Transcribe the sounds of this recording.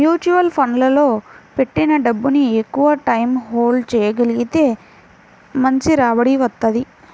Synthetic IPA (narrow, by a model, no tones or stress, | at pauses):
juːt͡ʃuʋɐlpʰɐnlɐlo̞ːpe̞ʈːinɐɖɐbːuniekːuʋɐʈɐjmɦoːlɖt͡ʃɛːjɐɡɐliɡit̪e̞ː | mɐɲt͡ʃiɾaːʋɐɽiʋɐt̪ːɐd̪i